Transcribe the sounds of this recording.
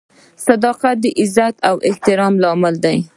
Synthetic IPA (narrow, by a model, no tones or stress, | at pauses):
sad̪ɑqat̪̚d̪əʔɪzat̪awʔɪht̪ɪɾɑmlɑmɪld̪aj